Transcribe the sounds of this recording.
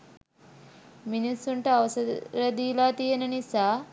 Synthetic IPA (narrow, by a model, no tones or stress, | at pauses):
minisːuɳʈɐɐʋɐsɐɐd̪ilaːt̪ijenɐnisaː